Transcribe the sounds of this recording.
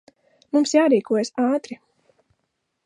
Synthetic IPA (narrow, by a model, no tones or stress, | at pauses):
mumsjaːɾiːkuɔjsaːt̪ɾi